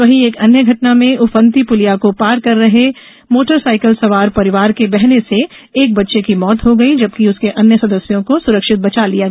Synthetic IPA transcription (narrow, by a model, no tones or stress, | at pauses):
ʋɐɦieːkɐnjəɡʱɐʈnamẽʊfə̃nt̪ipʊlijakopaːɾkɐɾːɐɦe | moːʈəɾsaːɪkəlsɐʋaːɾpɐɾɪʋaːɾkebɛɦneseː | k̚bɐtːʃekimɔːt̪ɦoɡɐid͡ʒɐbkiʊskeʔɐnjəsɐd̪əsjõkosʊɾəkʃɪt̪̚bɐt͡ʃalijaɡ